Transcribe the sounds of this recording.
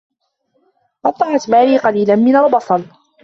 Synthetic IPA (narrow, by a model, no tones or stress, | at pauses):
ʔɑt̪ˤːɑʕɑt̪maːliːqɑliːlanmɪnɑɾˤbɑsˤɑn